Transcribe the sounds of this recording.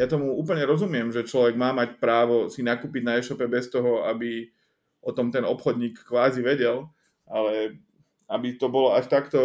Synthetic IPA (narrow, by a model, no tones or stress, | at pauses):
jat̪ɔmuuːpl̩ɲɛɾɔzumɪɛmʒɛt͡ʃlɔʋɛɡmaːmacpɾaːʋɔsinakuːpiɟnaɛːʃɔpɛbɛst̪ɔɦɔabi | ʔɔt̪ɔmt̪ɛnɔpxɔd̪ɲiːkːʋaːziʋɛɟɛl | ʔalɛ | abit̪ɔbɔlɔaʃt̪akt̪ɔ